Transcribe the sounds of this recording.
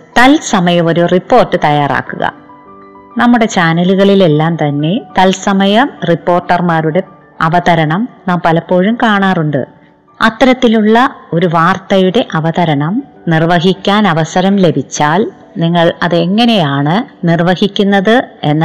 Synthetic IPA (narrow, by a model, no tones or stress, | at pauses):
t̪ɐlsɐmɐjɐmo̞ɾuripːo̞ːrʈːɨt̪ɐjaːra̰ːkːuɣɐ̰ | nɐmːuɽe̞t͡ɕaːnɐluɣɐɭile̞lːaːmt̪ɐnːe̞t̪ɐlsɐmɐjɐmripːo̞ːrʈːɐrmaːɾuɽe̞ | ɐʋɐðɐɾɐɳɐmnaːmpɐlɐpːo̞ːɻumkaːɳaːruɳɖɨ̰ | ɐ̰t̪ːɐɾɐt̪ːiluɭːɐo̞ɾuʋaːrt̪ɐjuɽe̞ʔɐʋɐðɐɾɐɳɐm | nirʋɐɦikʲːaːnɐʋɐsɐɾɐmle̞bʱit͡ɕːaːl | niŋːɐɭɐðɨe̞ŋːɐne̞jaːɳɨnirʋɐhikʲːunːɐðɨe̞nː